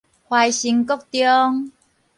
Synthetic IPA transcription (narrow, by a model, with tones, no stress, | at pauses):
hwa˧jɕi˧ŋkɔ˥˦k̚t̪jɔ˦ŋ